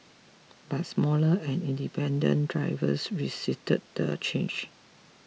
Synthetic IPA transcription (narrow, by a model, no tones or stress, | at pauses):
bat̚smɔləɛ̃nĩndipʰɛ̃ndə̰̃ndɹaɪvə̰sɹisistət̚d̥ə̰t͡ʃẽnd͡ʒ